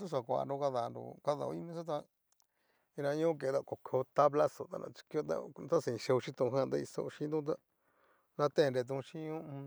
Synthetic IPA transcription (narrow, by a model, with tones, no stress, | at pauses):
su˦s̬a˨kʷa̰˨˧ndũ˧ka˦˧ða˨˧nɾṵ˨ka˦ða̰˨o̰˧i˦mĩ˦s̬o˦t̪̬a˧ | ĩ˧ɾã˧ɲũ˦k̬e˨˧d̪a˧ko˨kʰe˧o˧t̪a˦βla˦so˨t̪a̰˦˧nã̰˧t͡ʃi̥˧ki˧˦o˦t̪a̰˦t̪a˦sĩ˨ĩ˧ʃe˧u˧ʃĩ˦t̪ũ˧ɦã˦˧t̪a˦i˧so̰˧ʃĩ˦nd̪ũ˦t̪̬a˦ | nã˧t̪ẽ˦˨nɾe˧t̪̬ũ˧ʃĩ˦ɲũ˦˧